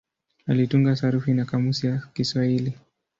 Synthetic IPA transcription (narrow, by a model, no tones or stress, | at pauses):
alituŋɡasaɾufinakamusiakiswahili